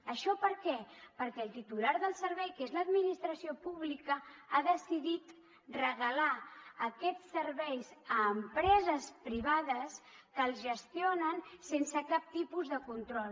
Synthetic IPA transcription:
əʃɔpəɾkɛpəɾkɛlˠt̪it̪ulaɾðəlˠsəɾβɛjkezləd̪minist̪ɾəsiopuβlikəaðəsiðit̪ | rəɣəlaəkɛt͡ssərβɛjzəːmpɾɛzəspɾiβ̞aðəskəːlˠzʒəst̪ionənsensəkap̚t̪ipuzðəkunt̪ɾɔl

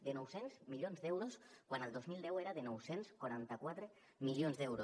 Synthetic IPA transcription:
d̪ənɔwsenzmiʎonzd̪ɛwɾoskwanəlˠd̪ozmilˠd̪ɛweɾaðenɔwsenskwaɾant̪akwat̪ɾə | milionzd̪ɛwɾo

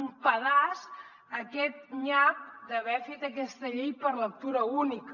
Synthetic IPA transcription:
mpəðas | əkɛt̪̚ɲap̚d̪əβɛfet̪əkɛst̪əʎejpəɾlək̚t̪uɾəunik

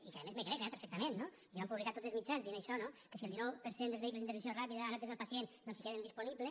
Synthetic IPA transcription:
ikeaðemezmekɾekɛpeɾfɛk̚t̪amẽnːo | ikeβampuβlikat̪ot̪ezmit͡ʃanzienajʃɔnokesielˠd̪inɔwpeɾsend̪elzβeiklezint̪ɾisjorapiðɐaɾat̪ezalpasjennonsikeðend̪isponiβle

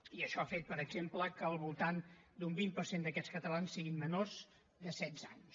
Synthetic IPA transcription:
iəʃɔafet̪̚pəɾəɡzempləkəːlˠβulˠt̪and̪umbimpərsend̪əkɛt͡sskət̪əlansːiɣinmənorz | d̪əsɛd̪zaɲs

